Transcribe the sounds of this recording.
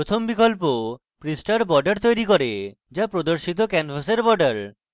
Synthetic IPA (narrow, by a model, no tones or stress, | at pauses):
ot̪ʰombikolp̬o | pɾisʈaɾbɔɾɖeɾt̪ojɾikoɾe | d͡ʑapɾod̪oɾʃit̪̬okɛnfaseɾbɔɾɖaɾ